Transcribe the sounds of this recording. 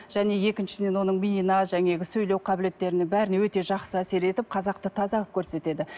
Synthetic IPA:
ʒ̥æne̞je̞kʲɪnʃɪ̥sɪd̪e̞nwo̞nəɴmʲinʲinɑʒæŋe̞ɡʲɪsɵjlewqʰɑbɪle̞t̪ːe̞ɾɪnɪŋbæɾɪnwɵt̪e̞ʒɑqsəæse̞ɾe̞t̪ɪp̚qʰɑzɑq̚t̪ət̪ʰɑzɑʁəp̚kʲʰɵɾse̞t̪e̞d̪ɪ

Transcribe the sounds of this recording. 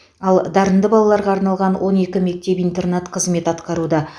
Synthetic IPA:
ɑlˠd̪ɑɾənd̪əbɑlˠɑlˠɑɾʁɑːɾnɑlˠʁɑnwʔo̞ne̞kʲɪme̞k̚t̪e̞pijnt̪e̞rnat̪qʰəzme̞t̪ɑt̪qɑɾud̪ɑ

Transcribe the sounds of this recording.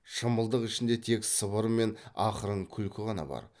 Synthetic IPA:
ʃəməlˠd̪əqɪʃɪnd̪e̞t̪ʰe̞ksəβəɾme̞nɑqəɾəɴkʲʰʏlkʲɪʁɑnɑ̰bɑ̰ɾ

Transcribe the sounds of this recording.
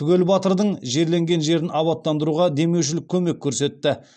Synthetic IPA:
t̪ʰʏɡʲe̞lbɑt̪əɾd̪əɴʒe̞ɾle̞ŋɡʲe̞nʒe̞ɾɪnʔɑβɑt̪ːɑnd̪əɾuʁɑd̪e̞me̞wʃ̬ɪlɪk̚ʲʰːɵme̞kʲʰːɵɾse̞t̪ːɪ

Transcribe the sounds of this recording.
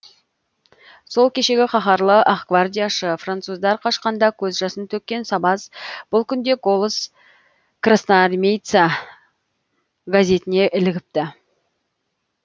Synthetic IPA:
so̞lˠkʲʰe̞ʃe̞ɡʲɪχɑχɑɾlˠəʔɑχkvard̪ʲijaʃəfrant̪suzd̪ɑɾqʰɑʃqɑnd̪ɑkʲʰɵzʒɑsənt̪ʰɵk̚ʲːe̞nsɑbɑzb̥ʊlˠkʲʰʏnd̪e̞ɡo̞lˠəs | krasnarmʲejt̪sa | ɡazʲe̞t̪ɪne̞ʔɪlɪɡʲɪp̚t̪ɪ

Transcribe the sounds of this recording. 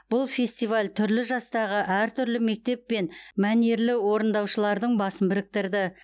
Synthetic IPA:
b̥ʊlˠfe̞sʲt̪ijvalʲt̪ʰʏɾlɪʒɑst̪ɑʁəʔæɾt̪ʰʏɾlɪme̞k̚t̪e̞pːe̞nmæneɾlɪwo̞ɾənd̪ɑwʃəlˠɑɾd̪əɴbɑsəmbɪɾɪk̚t̪ɪɾd̪ɪ

